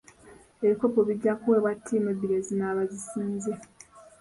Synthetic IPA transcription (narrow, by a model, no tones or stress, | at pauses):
eβiko̞po̞βiɟːakuwe̞ːβwatʰːiːmebiɾezinaːβazisiːnze